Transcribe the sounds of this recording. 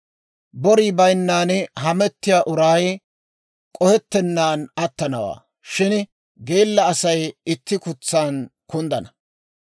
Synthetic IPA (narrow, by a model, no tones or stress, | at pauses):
bɔɾiːbɐjnːaːnɦɐmɛt̪ːɪjaːʔʊɾaj | kʼɔhɛt̪ːɛnːaːnɐt̪ːɐnɐwa̰ː | ʃɪn | ɡeːlːɐːsɐjɪt̪ːɪkʊt͡sːaːnkʊnd̪ɐnɐ